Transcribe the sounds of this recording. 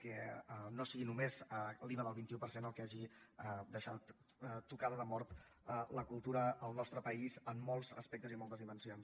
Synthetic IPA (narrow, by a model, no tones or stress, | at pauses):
kɛnosiɣinumezliβəðəlˠβint̪iupəɾsenəlˠkaʒiəd̪əʃat̪ | t̪ːukaðəðəmɔɾt̪ | ələkulˠt̪uɾəəlˠnɔst̪ɾəpəizəmːolˠzə̰spɛk̚t̪əzimɔlˠt̪əzðimənsions